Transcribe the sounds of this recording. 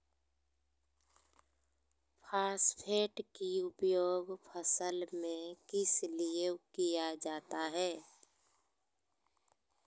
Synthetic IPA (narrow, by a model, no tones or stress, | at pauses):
pʰaːspʰeːʈkiʊpjoːɡpʰəsəlmẽkɪsliekijad͡ʒaːt̪aɦɛː